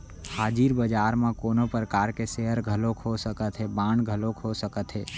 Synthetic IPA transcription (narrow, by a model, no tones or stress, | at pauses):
haːd͡ʒiːɾbəd͡ʒaːɾmẽkoːnopɾəkaːɾkeseɦəɾɡʱəlokʰɦosəkət̪ɦɛbãːɳɖɡʱəlokɦosəkət̪ɦɛː